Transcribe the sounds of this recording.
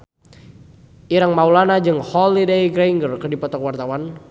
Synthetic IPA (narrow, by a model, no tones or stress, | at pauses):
iɾaŋmaulanad͡ʒɨŋhɔlidejɡɾaiŋɡərkərdipɔt̪ɔkwart̪awan